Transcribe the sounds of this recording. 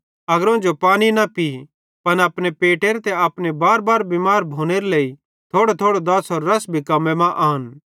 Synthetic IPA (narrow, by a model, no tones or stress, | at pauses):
ɐɡəɾõːd͡ʒopaːñinapi | pɐnaːpɽepeːʈeɾet̪ɛaːpnebaːɾbaːɾbimaːɾbʱoːñeɾeleːi | t̪ʰoːɽot̪ʰoːɽod̪ɐsɔɾːɐsbʱikɐmemãʔaːn